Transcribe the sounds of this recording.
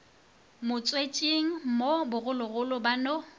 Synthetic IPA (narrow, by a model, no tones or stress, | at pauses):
mʊt͡sʼwet͡ʃʼiŋ̩mobʊɣʊlʊɣʊlʊbano